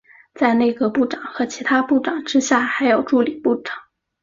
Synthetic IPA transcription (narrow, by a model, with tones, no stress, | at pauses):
t͡sa˥˧ɪne˥˩ɪɡə˩pu˥˩ʈ͡ʂɑ˨˩˦ŋxɤ˧˥t͡ɕʰi˧˥t̪ʰa˥pu˥˩ʈ͡ʂɑ˨˩ŋʈ͡ʂɻ̩˥ɕja˥˩xa˧˥ɪjo˨˩ʊʈ͡ʂu˥˩li˨˩pu˥˩ʈ͡ʂɑ̥˨˩˦ŋ